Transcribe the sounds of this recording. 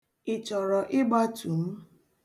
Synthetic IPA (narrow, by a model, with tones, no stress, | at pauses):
ɪ˨t͡ʃɔ˨ɾɔ˨ʔɪ˦ɡ͡ba˦tu˨m̩˦